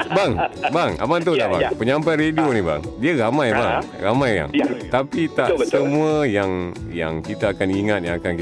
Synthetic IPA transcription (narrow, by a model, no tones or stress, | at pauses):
baŋbaŋa̰mant̪ut̪aʔba̰pəɲãmpanredioniba̰ŋdiəɾamãjbaŋ | ramãjja̰ŋt̪apit̪aʔsəmũəjaŋja̰ŋkit̪əːkaniŋat̪̚jaŋakanki